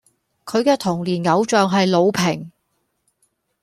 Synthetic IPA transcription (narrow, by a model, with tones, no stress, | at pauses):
kʰɵ˨˧ɥkɛː˧t̪ʰʊ˨˩ŋliː˨˩nŋɐ˨˧wt͡ʃœː˨ŋɦɐ˨jlo˨˧wpʰɪ˨˩ŋ